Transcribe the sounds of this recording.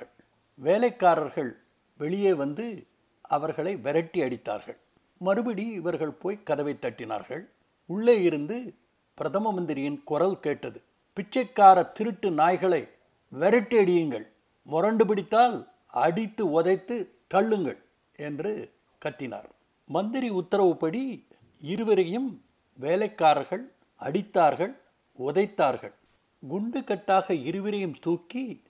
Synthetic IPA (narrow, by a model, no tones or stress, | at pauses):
ɐɭ | ʋeːlɐɪkːaːɾɐɾɣɐɭ | ʋɛɭɪjeːʋɐnd̪ɯ | ɐʋɐɾɣɐɭɐɪʋɛɾɐʈːiɐɽɪt̪ːa̰ːɾɣɐ̰ɭ | mɐɾɯbɐɽiɪʋɐɾɣɐɭpoːjkɐðɐʋɐɪt̪ːɐʈːɪna̰ːɾɣɐ̰ɭ | ʊɭːeːjɪɾɯnd̪ɯ | pɪɾɐt̪ðɐmɐmɐnd̪ɪɾɪjɪnkʊrɐlkeːʈːɐðɯ | pɪt͡ʃːɐɪkːaːɾɐt̪ɪɾɯʈːɯnaːjɣɐɭɐɪ | ʋɛɾɐʈːiɐɽɪjɯŋɡɐɭ | mʊrɐɳɖɯpɪɽɪt̪ːaːl | ɐɽɪt̪ːɯɔðɐɪt̪ːɯ | t̪ɐɭːɯŋɡɐ̰ɭ | ɛndrɯ | kɐt̪ːɪna̰ːɾ | mɐnd̪ɪɾiʊt̪ːɐɾɐʋɯpɐɽi | ɪɾɯʋɪɾɐjɯm | ʋeːlɐɪkːaːɾɐɾɣɐɭ | ɐɽɪt̪ːaːɾɣɐɭ | ɔðɐɪt̪ːaːɾɣɐ̰ɭ | ɡʊɳɖɯkɐʈːaːɣɐɪɾɯʋɪɾɐjɯmt̪uːkːi